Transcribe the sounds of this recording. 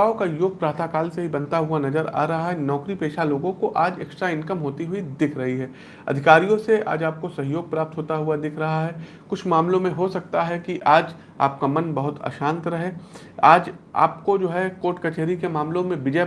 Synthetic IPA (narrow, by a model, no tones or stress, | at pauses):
okajoːɡ̚pɾaːt̪ʰakaːlseɦibɐ̃nt̪aɦuanɐzəɾa̰ːɾɐɦaɦɛnɔːkɾipeːʃaloːɡõkoʔaːd͡ʒeːksʈɾaɪ̃nkəmɦoːt̪iɦuid̪ɪkʰɾɐɦiɦɛː | ɐ̰d̪ʱɪkaːɾijõsea̰ːd͡ʒaːp̚kosɐɦijoːɡ̚pɾaːp̚t̪ɦoːt̪aɦʊad̪ɪkʰɾɐɦaɦɛ | kʊt͡ʃʰmaːmlõmẽɦosɐk̚t̪aɦɛkiʔaːd͡ʒ | a̰ːp̚kamɐnbɐɦʊt̪a̰ːʃãːnt̪ɾɐɦe | aːd͡ʒa̰ːp̚kod͡ʒoːɦɛkoːʈkɐt͡ʃeːɾikemaːmlõmẽbɪd͡ʒɛ